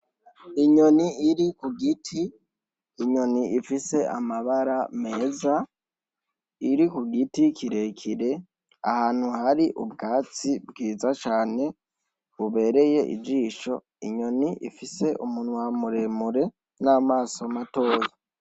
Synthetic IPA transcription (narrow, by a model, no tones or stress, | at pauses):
iɲo̞niiɾikuɡitʰiː | ɲo̞niifise̞ʔa̰maβaɾame̞ːza | iɾikuɡitikʰiɾe̞kʰiɾe̞ | a̰haːn̥huhaɾiʔubɡaːt͡sibɡiːzat͡ʃaːne̞ | βuβe̞ːɾe̞je̞ʔḭd͡ʒiːʃo̞ | iɲo̞niʔḭfise̞ʔumunwamuɾe̞muɾe̞ | naːmaːsomato̞ːza